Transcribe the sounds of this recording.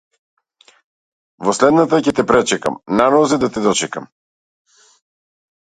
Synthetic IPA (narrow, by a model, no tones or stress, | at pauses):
voslɛd̪nat̪acʲɛt̪ɛpɾɛt͡ʃɛka̰mnanɔzid̪at̪ɛd̪ɔt͡ʃɛkam